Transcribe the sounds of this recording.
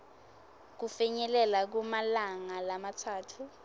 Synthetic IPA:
k̬ufɛɲɛlɛlak̬umalaŋalamatʰaːtʰu

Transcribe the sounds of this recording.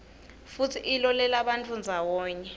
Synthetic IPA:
futʰiʔːlɔlɛlaɓant͡fʰʼund͡zʱawɔːɲɛ

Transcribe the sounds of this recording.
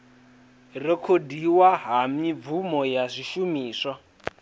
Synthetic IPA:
rɛkʰodiwaɦamivumɔjazʷiʃumiːsa

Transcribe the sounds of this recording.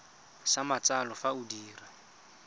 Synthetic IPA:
samat͡salɔfaudiːra

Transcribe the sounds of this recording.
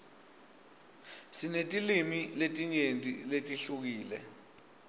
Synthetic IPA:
sinetʼilimiletʼiɲentʼḭletʼiɬuk̬iːlɛ̰

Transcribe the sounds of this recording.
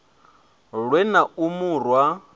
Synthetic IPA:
ɺwɛnaumurwa

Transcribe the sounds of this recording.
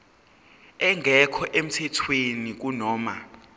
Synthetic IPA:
ɛŋʱɛkʰɔʔem̩tʰɛtʰwenik̬unɔːma

